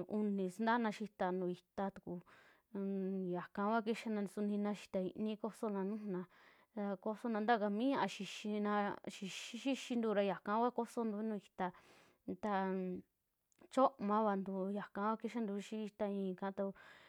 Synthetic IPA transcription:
u˧nĩ˨snd̪a˦nã˧ʃi˧t̪a˧nũ˨i˧t̪a˧t̪u̥˨ku˧ | ja˨kã˧˦wa˦ki˦ʃa˦nã˧su˧nĩ˧nã˧ʃi̥˧t̪a˨ḭ˧nĩ˦ko˦so˧nã˧nũ˦ũ˧nã˧ | ɾa˧ko˧so˦nã˧nd̪a˦˨ka˧mĩ˦ɲã˧ʔã˧ʃi˧ʃi˧nã˧ʃi˧ʃʃi˦ʃi˧nd̪u˧ɾa˧ja˨kã˧˦kʷa˦ko˦so˧nd̪u˧˦nũː˧i˧t̪a˧ | t̪a˧ | t͡ʃo˦ʔmã˧˦βa˧nd̪u˧ja˨kã˧˦wʷa˦ki˦ʃa˦nd̪u˧ʃi˦i˧t̪a˧ĩː˧˨kã˧˦t̪a˧

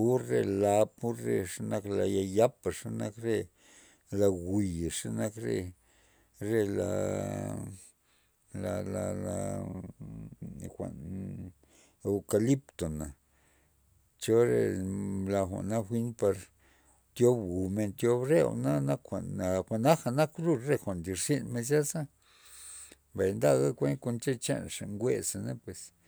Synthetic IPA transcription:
u˦ɾe˧la˧pu˦ɾe˧ʂa˦na˧kla˧ja˧ja˦pa˨ʂa˦na˧kɾe˦ | la˧ɡi˨jʂa˦na˦kɾḛ˧ | ɾe˦la̰˧ | la˧la˧la˧ | xʷa̰˨n | e˧wka˧li˦pt̪o˨na˨ | t͡ʃo˦ɾḛ˧la˧xʷa̰˨ʔna˦xʷi˦npa˧ɾ | t̪jo˦bɡu˨me˧nt̪jo˧bɾḛ˦na˦na˦kxʷa̰˨na˨xʷa˨na˦xa˨na˦kɾu˦˧ɾɾe˦˧xʷa˨nd̪i˧˨ɾsi˦nme˧z̬ja˦sa˦ | mba˨jnd̪a˦ɣa˦kʷe˦nko˧nt͡ʃe˦t͡ʃḛ˦nʂa˨ŋɡʷe˦sa˨ne˦pwe˨s

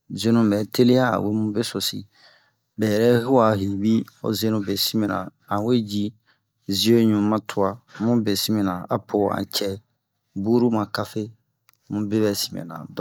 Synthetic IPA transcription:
ze˦nũ˦mɛ˨te˦le˦a˦a̰˨we˦mũ˦be˦so˨sḭ˨ | bɛ˨jɛ˨ɾɛ˦ɦu˦a˨ɦi˨bi˦o̰˨ze˦nũ˦be˨si˦mɛ̃˨nã̰˨ | ã˨we˦d͡ʒi˦ | zi˦o˦ɲũ˨mã˦tʰu˨˦a˨mũ˦be˨si˦mɛ̃˨nã˨a̰˨pʰo˨ã̰˨t͡ʃɛ˦˨ | bu˦ɾu˦mã˨ka˦fe˦ | mũ˦be˦βɛ˨si̥˨mɛ̰̃˨nã̰˨d

